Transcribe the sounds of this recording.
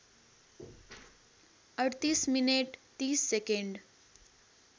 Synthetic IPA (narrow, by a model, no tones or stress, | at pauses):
əɽt̪iːsmineʈt̪iːsːekẽɳɖ